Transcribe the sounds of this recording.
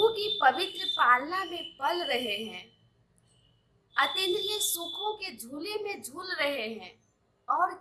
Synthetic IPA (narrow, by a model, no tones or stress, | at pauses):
ukipɐʋɪt̪ɾəpaːlnamẽpɐlɾɐɦeɦɛ̃ː | ɐt̪ɪnlesʊkʰõked͡ʒʱuːlemẽd͡ʒʱuːlɾəɦeɦɛ̃ː | ɔːɾ